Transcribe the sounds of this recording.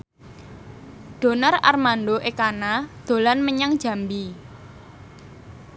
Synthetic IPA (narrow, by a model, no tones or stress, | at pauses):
d̪̥o̤nara̰rmanɖoʔekanad̪̥o̤lanməɲaŋd̥ʒ̥ä̤mbi